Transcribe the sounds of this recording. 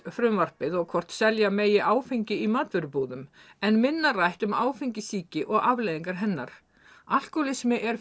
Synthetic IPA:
fɾʏmvar̥pɪðɔɣkʰɔr̥t̪sɛljameːjɪʔaːwfiɲcɪimaːt̪vʏɾʏpuːðʏm | ɛnmɪnːarajht̪ʏmaːwfiɲcɪsiːcɪʔɔɣavleːjðiŋkaɾ̥ɦɛnːaɾ̥ | al̥kɔlɪsmɪʔɛɾ̥

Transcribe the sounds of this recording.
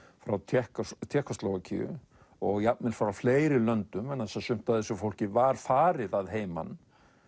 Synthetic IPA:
fɾawt̪ʰɛhkt̪ʰjɛːhkast̪lɔwɣacʰḭːʏ̰ | ɔɣjap̚mɪlfɾafleːjɾɪlœnt̪ʏmɛnθɛsasʏm̥t̪aðɛsʏfowl̥cɪvaɾ̥faːɾɪðaðɦeːjma̰n

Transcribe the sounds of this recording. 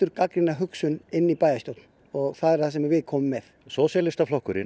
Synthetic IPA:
ʏɾkakɾɪnːaɦʏksʏnɪnːipaːjast̪owt̪n̥ | ɔɣθaðɛɾ̥θasɛmvɪðkʰɔːmʏmːɛθ | sɔːsjalɪst̪aflɔhkʏɾɪ̰

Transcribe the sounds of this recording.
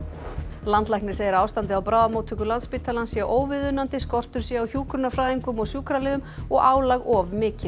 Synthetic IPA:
lant̪lajhknɪɾ̥seːjɪɾaːwst̪ant̪ɪawpɾaːðamoːwt̪ʰʏkʏlant̪spɪːt̪ʰːalansjɛʔoːwvɪðʏnːant̪ɪskɔr̥t̪ʏɾ̥sjɛawçjuːkɾʏnafɾajðiŋkʏmɔɣsjuːkɾalɪːðʏmɔɣaːwlaɣɔvmɪːcɪ

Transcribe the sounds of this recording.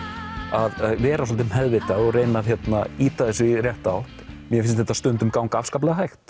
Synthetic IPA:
aðvɛːɾasɔlt̪ɪmhɛðvɪt̪aɔɣreːjnaðçjɛt̪naiːt̪aðɛsɪrjɛht̪awht̪mjɛfɪns̬t̪θɛt̪ast̪ʏnt̪ʏmkaːwŋkaafskaːplɛɣaɦajxt̪

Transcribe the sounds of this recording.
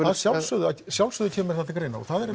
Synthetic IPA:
aðsjawlsœːðʏasjawlsœːðʏcʰɛːmʏɾ̥θɛht̪akɾeːjna̰ɔ̰ɣθaðɛɾ

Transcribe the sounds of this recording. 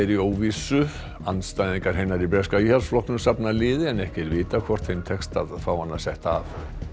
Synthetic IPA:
ɛɾioːwvisʏ | anːst̪ajðiŋkaɾ̥ɦejnaɾibɾɛskaihalsflɔknʏmsapnalɪːðɪɛnɛhcɛɾvɪːt̪akʰvɔr̥t̪hejnt̪ʰɛkst̪aðfawhanːasɛht̪af

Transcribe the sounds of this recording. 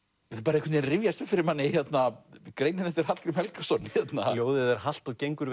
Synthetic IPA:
ɛθapaːɾaɛekvʏt̪ɪnrɪvjast̪ɪfɪɾɪɾmanːɪçjɛt̪nakɾeːjnɪnɛft̪ɪɾ̥hat̪lɪmhɛlkasɔnçjɛt̪naljoːwðɪðɛɾ̥hal̥t̪ɔɣcejŋkʏɾ

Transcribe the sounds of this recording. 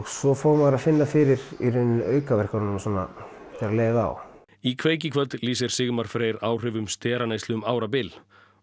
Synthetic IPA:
ɣsɔfɔɣmaɾaðfɪnːafɪɾɪɾiɾʏnʏœːɥkavɛr̥kaɾnnanːsɔna̰ | t̪ʰɪɾaleːjðaa̰w | ikʰveːjcɪkʰvœt̪liːsɪɾ̥sɪɣmaɾ̥fɾeːjɾaːwr̥ʏːvʏmst̪ɛːɾaneːjst̪lʏʏmaːwɾap̬ɪl

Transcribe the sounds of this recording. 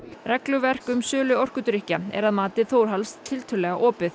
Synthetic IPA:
rɛklʏvɛr̥kʏmsœːlʏɔr̥kʏt̪ɾɪhcaɛ̰ɾaðmaːt̪ɪθoːwɾ̥ɦalst̪ʰːɪlt̪ʰʏlɛɣaʔɔːpɪθ

